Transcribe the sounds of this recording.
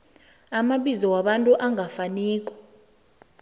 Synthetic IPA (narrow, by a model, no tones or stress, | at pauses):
amaɓizɔwaɓantʼuʔaŋʱafaniːk̬ʼɔ̥